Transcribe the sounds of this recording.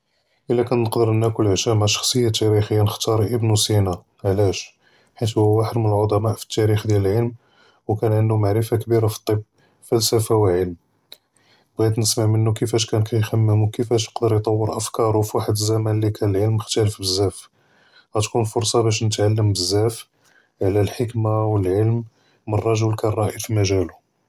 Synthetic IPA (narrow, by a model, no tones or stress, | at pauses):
ʔəlːækænːəqd̪əɾənækʊləʕʃæmaʕʃɑ̥xsˤəjːat̪ːæɾixəjːanəxt̪ɑɾˤʔəbnusina | ʕlæʃ | ħit̪hʊwaħəd̪mənəlʕod̪ˤɑmɑʔfi̥t̪ːæɾixd̪jæləlʕəlm | wkænʕənd̪umaʕɾəfakbiɾafi̥t̪ˤːəb | fælsæfawəlʕəlm | bɣæd̪nəsmaʕmənːukəfæʃkænkʰæjxæmːəmwkəfæʃ̬jə̥qd̪əɾjt̪ˤɑwːəɾʔəfkɑɾˤufwaħəd̪əzːæmænlikʰænəlʕəlməxt̪æləfbəzːæf | ɣæt̪kunfʊɾsˤɑbæʃ̬nət̪ʕalːəmbəzːæf | ʕlælħəkmawəlʕəlmː | ərˤːɑʒulkænrˤɑʔifimæʒælu